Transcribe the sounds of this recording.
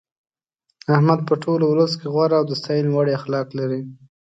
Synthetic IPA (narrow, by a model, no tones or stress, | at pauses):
ahmad̪̚pəʈʰolowləskeɣwaɾaawd̪əst̪ɑjinwaɽeaxlɑklaɾi